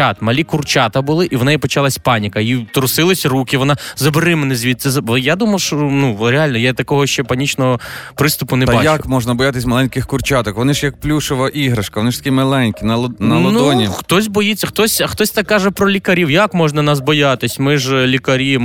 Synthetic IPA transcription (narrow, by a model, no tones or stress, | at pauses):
ɑt̪mɐlʲikʊrt͡ʃɑt̪ɐbʊlˠɪʔiʋɔnɛjipɔt͡ʃɑlˠɐsʲpɑnʲikɐjit̪ɾʊsɪlˠɪsʲrukʲɪʋɔnɑzɐbɾɪmenɪzʲʋʲit̪t̪sɛzɐjad̪umɐwʃɔnuɾʲeɑlʲnɔjat̪ɐkɔɦɔʃt͡ʃɛpɐnʲit͡ʃnɔɦɔpɾɪst̪ʊpʊnɛbɑt͡ʃja̰kmɔʒnɐbɔjat̪ɪsʲmɐlˠɛnʲkɪxkʊrt͡ʃat̪ɔkʋɔnɪʒjɐk̚plʲuʃɪʋɐʔiɦɾɐʃkɐʋɔnɪʃt̪ɐ̥kʲimɐlˠɛnʲkʲinɐlˠnnɐlnˠɔdɔnʲixt̪ɔsʲbɔjit͡sʲːɐxt̪ɔsʲɐxt̪ɔsʲt̪ɛkːɑʒɛpɾɔlʲikɐɾʲiwjakmɔʒnɐnɑs̬bɔjɑt̪ɪsʲmɪʒlʲikɐɾʲi